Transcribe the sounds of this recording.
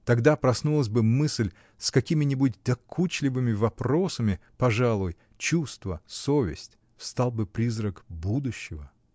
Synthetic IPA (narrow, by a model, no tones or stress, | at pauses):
t̪ɐɡd̪apɾɐsnulˠəsʲbɨmɨsʲlʲ | skɐkʲimʲɪnʲɪbut̚ʲd̪̥ɐkʰut͡ɕlʲɪvɨmʲɪvɐpɾo̞səmʲɪpɐʐalˠʊj | t͡ɕust̪və̰sovʲɪ̰sʲtʲ | st̪alˠbɨpɾʲizrəkbud̪ʊɕːɪvə